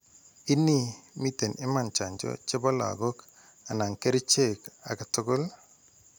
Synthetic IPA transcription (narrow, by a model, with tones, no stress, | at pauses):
ɪ˦nːi˦mi˦te˨nɪ˦ma˨nt͡ʃa˨ɲd͡ʒɔ̰˦t͡ʃɪ˦bɔ˦la̰˨ɡo˦k | a˨na˨ŋke˦ɾi˦t͡ʃe˦˨ka̰˨ka˨to˦ɡo˦l